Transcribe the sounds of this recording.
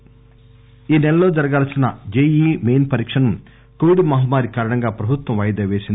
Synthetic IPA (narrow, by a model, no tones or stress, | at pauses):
iːnɛlɐlo̞ːd͡ʒɐɾɐɡaːlsinɐd͡ʒejiːmejnpɐɾiːkʂɐnɐm | koʋiɖmɐɦɐmaːɾikaːɾɐɳɐŋɡaːpɾɐbʱut̪ʋɐmʋɐjd̪ɐːʋeːsind̪i